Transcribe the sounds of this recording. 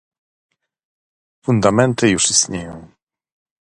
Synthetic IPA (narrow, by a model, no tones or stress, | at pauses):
fund̪amɛnt̪ɘjuʂist̪ɲejɔ̃w̃